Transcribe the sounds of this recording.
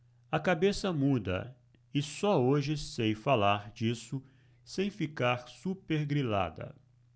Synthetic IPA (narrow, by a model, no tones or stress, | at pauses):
ɐkabesɐmud̪ɐ̰ | ɪsɔoʒɪsejfalaɾd͡ʒisʊ | sẽj̃fikaɾsupeɾɡɾila̰d̪ɐ̰